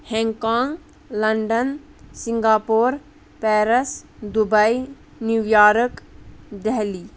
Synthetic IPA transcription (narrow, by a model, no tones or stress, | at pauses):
hɛ̃ːŋkãːŋɡ | lɐɳɖən | sɪ̃ŋɡaːpoːɾ | pɛːɾəsd̪ubəi | njuʋjaːɾəkd̪ɛɦliː